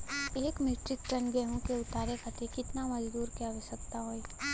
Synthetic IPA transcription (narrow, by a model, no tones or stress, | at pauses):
eːkmeːʈɾɪkʈɐnɡɛɦõkeʊt̪aːɾekʰət̪ʰekɪt̪namɐd͡ʒd̪uːɾkjaːʋɪsəkt̪aɦoːiː